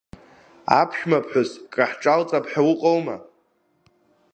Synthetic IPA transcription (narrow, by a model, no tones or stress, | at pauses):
apʰʃᶣmapʰħʷᶣʊskʼaħt͡ʃʼalt͡sʼapʰħawʊqʼowma̰